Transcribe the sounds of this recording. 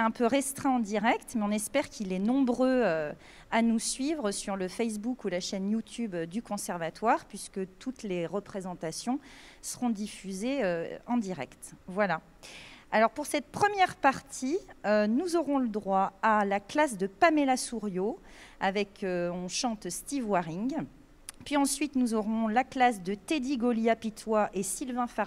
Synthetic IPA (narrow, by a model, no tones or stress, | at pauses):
ɛɛ̃pøʁɛst̪χɛ̃ɑ̃d̪iʁɛkt̪mɛɔ̃nɛspɛʁkʰilɛnɔ̃bʁøø | anusɥivʁəsyʁləfɛs̬bukulaʃɛnjut̪ʰybd̪ykɔ̃sɛʁvat̪waʁpɥiskət̪ʰut̪leʁəpχezɑ̃t̪asjɔ̃səʁɔ̃d̪ifyzeøɑ̃d̪iʁɛkt̪vwala | alɔʁpuʁsɛt̪̚pχəmjɛʁpaʁt̪ʰiønuzɔʁɔ̃ləd̪ʁwaalaklas̬d̪əpamelasuʁjoavɛkʰøɔ̃ʃɑ̃t̪st̪ivwaʁiŋɡ | pɥiɑ̃sɥit̪nuzɔʁɔ̃laklas̬d̪ət̪ed̪iɡɔljapit̪waʔesilvɛ̃faʁ